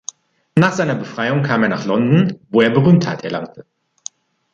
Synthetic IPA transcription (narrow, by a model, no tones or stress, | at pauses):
naːχz̥aɪnɐbəfʁ̥aɪʊŋkʰaːmeːɐna̰ːχlɔndn̩voːeːɐbəʁyːmtha̰tɛɐlaŋ̚tʰə